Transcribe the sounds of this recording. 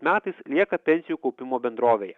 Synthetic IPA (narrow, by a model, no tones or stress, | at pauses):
mʲæːt̪ɐɪslʲiɛkɐpʲɛnʲsʲɪjuːkɒʊpʲɪmoːbʲɛnd̪ɾoːʋʲeːjɛ